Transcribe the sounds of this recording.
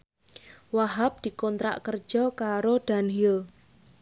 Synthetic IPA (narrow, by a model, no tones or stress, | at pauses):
waɦap̚d̪̥i̤kɔnt̪ɾa̰ʔkərd̥d͡ʒʒ̥ɔkaɾod̪̥a̤nɦil